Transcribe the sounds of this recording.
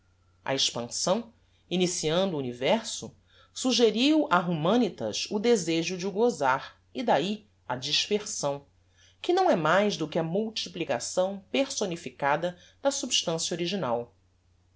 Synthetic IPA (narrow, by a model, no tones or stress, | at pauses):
ɐ̰eʃpɐ̃sɐ̃w̃ | inisiɐ̃nd̪uːnivɛɾsʊ̰ | suʒeɾiwʔaɦumɐ̃nit̪ɐ̰ʃʊd̪ezeʒʊd͡ʒɪuɡozaɾ | id̪ai | ɐd͡ʒiʃpeɾsɐ̃w̃ | kɪnɐ̃w̃ɛmajzd̪ʊkɪɐmuwt͡ʃiplikasɐ̃w̃peɾsonifikad̪ɐ | d̪ɐsubiʃt̪ɐ̃sjoɾiʒinaw